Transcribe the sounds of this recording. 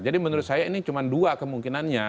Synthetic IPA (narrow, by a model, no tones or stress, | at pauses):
d͡ʒadimənuɾʊt̪sajainit͡ʃumanduakəmuŋkinanɲa